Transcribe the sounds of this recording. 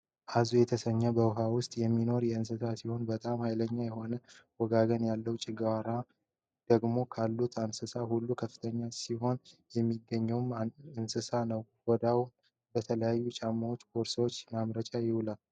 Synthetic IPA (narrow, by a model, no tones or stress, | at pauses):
ʔazujɛt̪ʰəsəɲːəbəwɦawʊst̪ʼjɛmːino̞ɾjɛɨns̬ɨsasiho̞nbət̪ʼamhajləɲːajɛho̞nəwɔɡaɡənjalːəwt͡ʃʼɪɡwaɾa | d̪̥əɡmo̞kʰalːut̪ʰansɨsahulːukʰəfːɨ̥t̪ʰəɲːasiho̞njɛmːiɡːəɲːəwmɨnsɨsanəw | wɔd̪awum | bət̪ʰələjajːut͡ʃʼamːawot͡ʃːkʰoɾswot͡ʃːmamɾət͡ʃʼajɪwʊlal